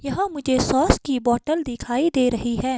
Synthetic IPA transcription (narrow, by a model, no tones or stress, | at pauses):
jɐɦãmʊd͡ʒʱesɔːskibɔːʈəld̪ɪkʰaːid̪eːɾɐɦiɦɛː